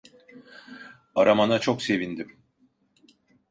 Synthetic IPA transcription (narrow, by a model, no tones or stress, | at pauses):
aɾamanat͡ʃʰokse̞vind̪im